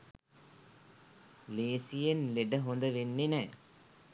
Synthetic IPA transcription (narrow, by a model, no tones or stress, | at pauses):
leːsijenleɖəɦond̪əʋenːenɛː